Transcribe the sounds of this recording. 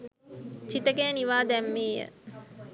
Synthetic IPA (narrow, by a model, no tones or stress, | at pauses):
t͡ʃit̪əɡejəniʋaːd̪ɛmːeːjə̰